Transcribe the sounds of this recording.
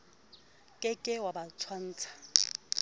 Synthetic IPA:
kʼɪkʼɪwabat͡sʰwan̩ːt͡sʰḁ

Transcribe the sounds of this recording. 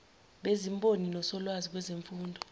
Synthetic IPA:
ɓezimbʱʼoninɔsɔlwazik̬wɛzeɱfuːndʱɔ

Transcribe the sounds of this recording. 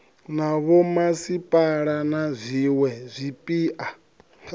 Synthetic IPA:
naβɔmasipʼaɺanazʷiwɛzʷipʼiːʔa

